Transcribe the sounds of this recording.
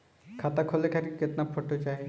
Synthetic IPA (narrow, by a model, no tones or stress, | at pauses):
kʰat̪akʰolekʰaɾiket̪napʰɔʈot͡ʃae